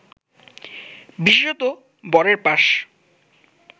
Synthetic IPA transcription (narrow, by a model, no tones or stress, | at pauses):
biʃeʃɔt̪o | bɔɾeɾpaʃ